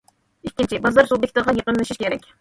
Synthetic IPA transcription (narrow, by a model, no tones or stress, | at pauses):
ikʲːint͡ʃʰibɑzɑɾsubjek̚ʲt̪ɨɾʁɑjəqənɨʃiʃkʲʰeɾɛkʲ